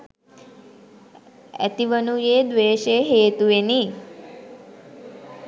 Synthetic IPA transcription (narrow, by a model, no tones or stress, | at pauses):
ɛ̰t̪iʋənujeːd̪ʋeːʃeɦeːt̪ueni